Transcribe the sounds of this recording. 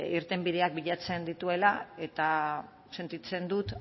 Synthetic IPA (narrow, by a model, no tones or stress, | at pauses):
iɾt̪e̞mbiðe̞ak̚biʎat͡se̞nd̪it̪ue̞lae̞t̪a | se̞nt̪it͡se̞nd̪ut̪